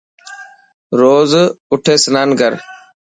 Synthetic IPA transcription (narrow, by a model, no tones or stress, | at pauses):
ɾoːzʊʈʰeːsənaːnɡʱəɾ